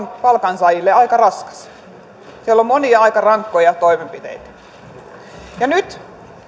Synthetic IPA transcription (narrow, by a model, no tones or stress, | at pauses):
npɑlkɑnsɑjilːeɑikɑrɑskɑ̥s | siælːommoniɑɑjkɑrɑŋkːojɑt̪ojmempit̪ḛjt̪æ̥ | jɑnyt̪